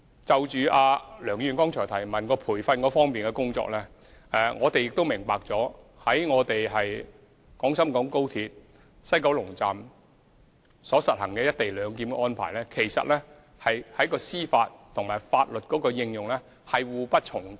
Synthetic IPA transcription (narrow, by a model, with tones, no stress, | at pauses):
t͡sɐ˨wt͡ʃyː˨˧ʔaː˧lœː˨˩ŋjyː˨nkɔː˥ŋt͡ʃʰɔː˨˩t̪ʰɐ˨˩jmɐ˨˩nkɔː˧pʰuː˨˩jfɐ˧nkɔː˨˥fɔː˥ŋmiː˨nkɛ˧kʊ˥ŋt͡sɔ̰ː˧k̚lɛ˥ | ɛ˧ŋɔː˨˧t̪e˨jɪ˨k̚t̪o˥wmɪ˨˩ŋpaː˨k̚t͡sɔː˨˥ | hɐ˨˥jŋɔː˨˧t̪e˨jɦɐ˨j | kɔː˨˥ŋsɐ˥mkɔː˨˥ŋko˥wt̪ʰiː˧t̚ | sɐ˥jkɐ˨˥wlʊ˨˩ŋt͡sa̰ː˨˩m | sɔː˨˥sɐ˨t̚hɐ˨˩ŋkɛː˧jɐ˥t̚t̪e˨jlœː˨˧ŋkiː˨˧mkɛ˧ʔɔː˥npʰa̰ː˨˩jlɛː˥kʰe˨˩jsɐ̰˨t̚lɛː˥ | hɐ˨jhɐ˨˥jkɔː˧siː˥faː˧t̚t̪ʰŋmaː˨˩jfaː˧t̚lɵ˨t̚kɔː˨˥kɔː˧jɪ˧ŋjʊ˨ŋlɛː˥ | hɐ˨jwuː˨pɐ˥t̚t͡ʃʰʊ˨˩ŋ